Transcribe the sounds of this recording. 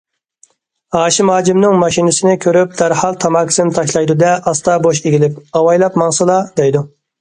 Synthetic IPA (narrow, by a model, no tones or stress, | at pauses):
ɑːʃimɦɑːd͡ʒimnɪŋmɑʃinɪsɪnɪkʲʰøɾyp̚d̪̥æɾhɑlˠt̪ʰɑmɑkʲʰi̥sɪnt̪ʰɑʃlˠɑjd̪ud̪ɛʔɑst̪ɑboʃeɡʲilɪpɑwɑjlˠɑpmɑŋsɨlˠɑd̪̥ɛjd̪u